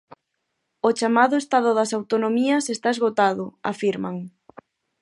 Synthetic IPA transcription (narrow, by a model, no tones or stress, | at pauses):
ot͡ʃamaðʊest̪aðʊðɐsawt̪onomiɐsest̪aezɣot̪aðʊa̰fiɾmaŋ